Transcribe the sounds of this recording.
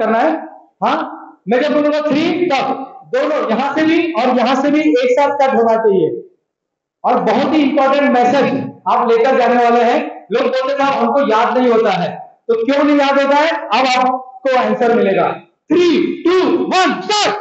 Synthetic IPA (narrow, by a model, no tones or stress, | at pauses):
ɐɾnaɦɛː | ɦãːmɛ̃ːd͡ʒɐb̚bolũːŋɡat̪ʰɾiːt̪ɐd̪oːnõjɐɦãsebʱiɔːɾjɐɦãsebʱieːksaːt̪̚ʰkɐʈɦoːnat͡ʃaːɦieː | ɔːɾbɐɦʊt̪ɦiɪ̃mpɔːɾʈẽɳʈmɛːsed͡ʒaːpleːkəɾd͡ʒaːneʋaːleɦɛ̃loːɡ̚boːlt̪ekabɦɐmkojaːd̪nɐɦĩɦoːt̪aɦɛːt̪okjõːnɐɦĩjaːd̪ɦoːt̪aɦɛɐbaːp̚koɛ̃ːnsəɾmɪleːɡa̰ː | t̪ʰɾiːʈuːʋɐnsəɾ